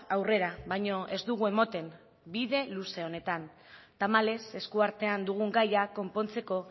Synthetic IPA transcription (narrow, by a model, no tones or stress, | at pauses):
awre̞ɾaβajɲo̞ʔe̞zd̪uɣ̞ue̞mo̞t̪e̞m | biðe̞luse̞o̞ne̞t̪an | t̪amale̞se̞skuaɾt̪e̞and̪uɣ̞uŋɡajako̞mpo̞nt͡se̞ko̞